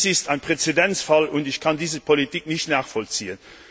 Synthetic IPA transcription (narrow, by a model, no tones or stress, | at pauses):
sɪstaɪnpʁ̥et͡sedɛnt͡sfɑlʊntɪçkʰɑndiːzəpʰolitʰik̚nɪçtnaːχfɔlt͡siːən